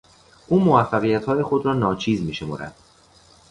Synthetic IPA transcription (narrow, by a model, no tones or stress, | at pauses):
ʔuːmoæfːæɣijæt̪ʰhɒːjexo̞d̪ɾɒːnɒːt͡ʃʰiːzmiːʃe̞mo̰ːɾæ̰d̪̥